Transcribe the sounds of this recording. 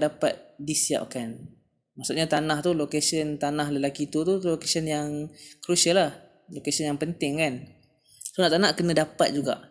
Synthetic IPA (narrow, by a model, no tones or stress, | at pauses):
ʔdapat̪̚disia̰p̚kan | maʔsuʔɲat̪anaht̪ulokesənt̪anahləlakit̪ut̪ulokesənjaŋkɾusəlah | lokasənjaŋpənt̪ɪŋkan | sonaʔt̪anaʔkənə̃dapat̪̚d͡ʒuɡa̰ʔ